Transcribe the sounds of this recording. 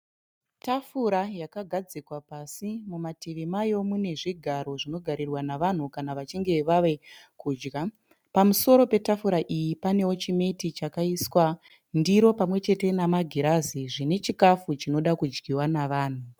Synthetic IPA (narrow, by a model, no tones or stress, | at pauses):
tafuɾajakaɡʱad͡zikwapasimumateʋemajo̞mune̞ʐiɡʱaɾo̞ʐino̞ɡʱaɾirwanaʋan̤ukanaʋat͡ʃiŋɡe̞ʋaʋe̞kuːd͡ʒɡa | pamuso̞ɾo̞pe̞tafuɾaʔijipane̞o̞t͡ʃime̞tit͡ʃakaiswa | ndiɾo̞pamwe̞t͡ʃe̞te̞namaɡʱiɾaziʐine̞t͡ʃikafut͡ʃino̞ɗakud͡ʒɡiwanaʋaːn̤u